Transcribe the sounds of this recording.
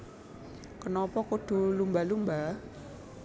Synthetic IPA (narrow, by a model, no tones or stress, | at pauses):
kənɔpɔkud̪̥ṳlumbalumba